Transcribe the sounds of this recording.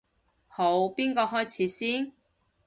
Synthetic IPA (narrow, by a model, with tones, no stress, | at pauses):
ho˨˧wpiː˥nkɔː˧ɦɔː˥jt͡sʰiː˨˥siː˥n